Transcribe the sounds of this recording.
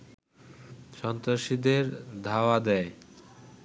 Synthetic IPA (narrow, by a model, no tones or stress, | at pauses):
ʃɔnt̪ɾaʃid̪eɾd̪ʱaoad̪ɛe